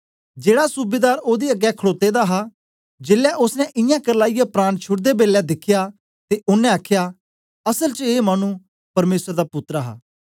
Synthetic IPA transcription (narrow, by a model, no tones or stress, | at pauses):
d͡ʒeːɽaːsʊbeːd̪aːɾoːd̪iːəɡɛːkʰəɽoːt̪eːd̪aːɦaː | d͡ʒɪːlɛːʔʊsnɛ̃ʔɪjãːkəɾlaːɪjapɾãːɽ̃t͡ʃʰʊɽd̪eːbeːljɛːd̪ɪkʰːɪjaː | t̪eːʔʊnːɛ̃aːkʰjaː | əsəlt͡ʃəeːmaːnũː | pɐɾmeːsəɾd̪aːpʊt̪ːɾaɦa̰ː